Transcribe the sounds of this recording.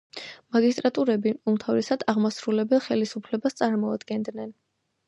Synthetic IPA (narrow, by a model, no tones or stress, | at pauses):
maɡist̪ʼɾat̪ʼuɾɛbiumt̪ʰavɾɛsad̪aʁmasɾulɛbɛlˠχɛlisupʰlɛbast̪sʼaɾmɔad̪ɡɛnd̪nɛn